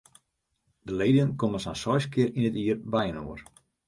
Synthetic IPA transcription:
d̥əleːdijənkoməsansɔjskɪɾinətiərbɛjənoːər

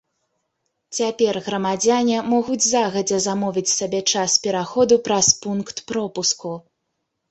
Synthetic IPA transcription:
t͡sʲapʲɛrɣɾɐmad͡zʲanʲimɔɣud͡zʲzaɣɐd͡zʲɛzamɔvʲit͡sʲsabʲɛt͡ʂaspʲɛɾaxɔd̪upɾɐspunkt̪pɾɔpusku

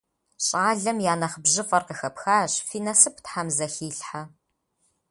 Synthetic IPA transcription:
ɕʼaːɮɐmjaːnɐχəbʑɪfʼɐrqəxɐpxaːɕfiːnɐsɨpʰtħamzɐxiːɬħa

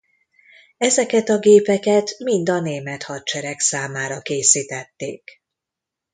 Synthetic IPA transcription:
ɛzɛkɛt̪ɒɡeːpɛkɛt̪mind̪ɒneːmɛt̪hɒt͡ʃɛɾɛksaːmaːɾɒkeːsiːt̪ɛt̪ːeːk

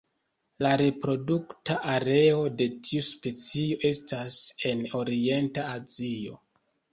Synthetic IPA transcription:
laɾe̞pɾo̞duktaʔaɾe̞o̞de̞tʰiuspe̞t͡sio̞ʔe̞stase̞no̞ɾie̞ntaːzio̰

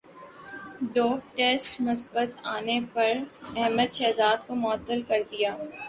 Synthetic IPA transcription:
ɖɔːk̚ʈeːsʈmʊsbət̪aːnepɐɾɛɦməd̪ʃɛːzaːd̪komʊət̪ːəlkɐɾd̪ijaː

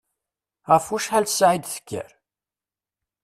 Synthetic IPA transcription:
ʁəfuʃħælsʕid̪θə̥kʰːə̰ɾ

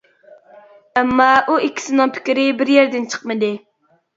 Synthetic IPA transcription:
ɛmːɑʔuikʲʰːi̥sɪnɨŋpʰɪ̥kʲiɾɪbɪɾjɛɾd̪ɪnt͡ʃʰə̥qmɨd̪ɨ

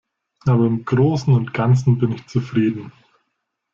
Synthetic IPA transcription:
ʔaːbɐɪmɡ̥ʁoːsn̩ʊntɡ̥ant͡sn̩bɪnɪçt͡sufʁ̥iːdn̩

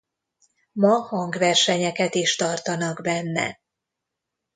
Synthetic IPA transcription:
mɒhɒŋɡʋɛrʃɛɲɛkɛt̪iʃt̪ɒrt̪ɒnɒɡbɛnːɛ̰

